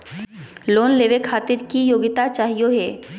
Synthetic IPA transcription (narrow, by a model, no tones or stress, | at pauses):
loːnleːʋekʰaːt̪ɪɾkijoːɡɪt̪at͡ʃaːɦijoɦɛː